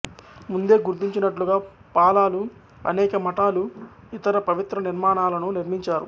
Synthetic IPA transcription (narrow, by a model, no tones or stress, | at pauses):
mund̪e̞ːɡuɾt̪iɲt͡ʃinɐʈluɡaː | paːlaːlu | ɐ̰nɛːkɐmɐʈaːlu | it̪ɐɾɐpɐʋit̪ɾɐniɾmaːnaːlɐnuniɾmiɲt͡ʃaːɾṵ